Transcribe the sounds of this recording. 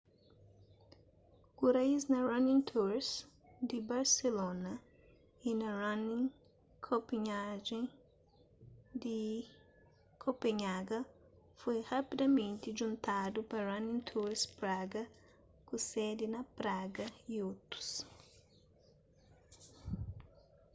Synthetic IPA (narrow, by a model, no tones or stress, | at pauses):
kuɾaiznɐranĩŋt̪ʰuɾs | d̪ibaɾselonɐ | inɐranĩŋ | kʰopiɲaʒẽj̃ | d̪i | kʰopeɲaɡɐ | fojhapid̪ɐmẽnt̪iʒũnt̪ad̪upɐrãnĩŋt̪ʰuɾspɾaɡɐ | kusɛd̪inɐpɾaɡɐiot̪u̥s